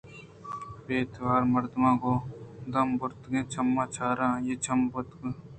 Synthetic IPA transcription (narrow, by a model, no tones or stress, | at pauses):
beːt̪ʰʋaːɾmɐɾd̪mãːɡoːd̪ɐmbʊɾt̪ɡẽːt͡ʃʰɐmːãːt͡ʃʰaːɾãːjeːt͡ʃʰɐmbʊt̪ɡ